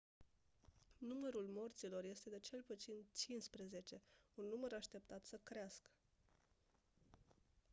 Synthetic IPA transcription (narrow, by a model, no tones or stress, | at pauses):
numəɾulmo̞rt̪silo̞rje̞st̪e̞d̪et͡ʃe̞lput̪sint͡ʃinspɾeze̞t͡ʃe̞unːuməɾaʃt̪e̞pt̪at̪səkɾeaskə̥